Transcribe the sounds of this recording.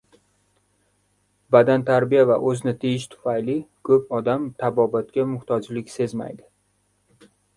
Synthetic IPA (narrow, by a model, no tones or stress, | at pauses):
bad̪ant̪ʰaɾbijavaʔɵznɪt̪ʰejɪʃt̪ʰʊ̥fajlɪkʰɵp̚ɒd̪amt̪ʰabɒbat̪kʲamʊht̪ʰɒd͡ʒlɪkʲse̞zma̰jd̪ɪ